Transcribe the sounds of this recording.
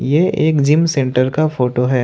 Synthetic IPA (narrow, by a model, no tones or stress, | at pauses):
jeːeːkd͡ʒɪmsẽːɳʈəɾkafʰoːʈoɦɛː